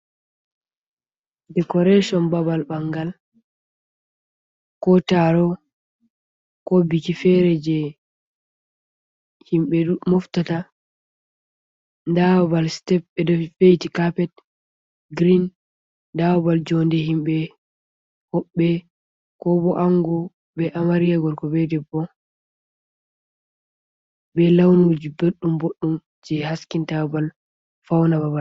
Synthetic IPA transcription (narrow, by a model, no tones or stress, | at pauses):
dɛkɔɾɛʃɔnbabalbaŋɡal | kɔtaɾɔ | kɔbikifɛɾɛd͡ʒɛ | himɓɛumɔftata | ndawbalstɛp̚ɛdɔfejtikapɛt̚ | ɡɾin | dawbald͡ʒɔndɛɦimbɛ | hɔɓːɛ | kɔbɔʔaŋɡɔ | bɛʔamaɾijaɡɔɾkɔbɛdɛbɔ | bɛlawnud͡ʒibeɗːumboɗːum | d͡ʒɛhaskintabal | fawnababal